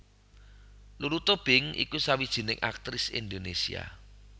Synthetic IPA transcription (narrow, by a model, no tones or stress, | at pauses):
luɾut̪ɔb̥ɪŋḭkusawid̥ʒ̥i̤nɪŋʔa̰k̚t̪ɾɪsḭnd̪onesia̰